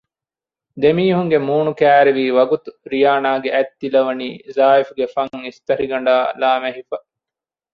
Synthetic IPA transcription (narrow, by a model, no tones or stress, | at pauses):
d̪emiːɦuŋɡemuːnukæːɾeʋiːʋɐɡut̪uɾijaːnaːɡeʔæt̪ːilɐʋɐniːzaːifuɡefɐŋist̪ɐɾiɡɐɳ̆ɖaːlaːmeɦifɐ